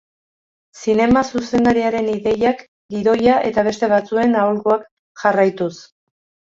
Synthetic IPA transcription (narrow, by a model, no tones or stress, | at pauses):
sine̞masuse̞nd̪aɾiaɾe̞niðe̞jak | diðo̞jaʔe̞t̪aβ̞e̞st̪e̞β̞at͡sue̞naulɣoak | ʝarajt̪us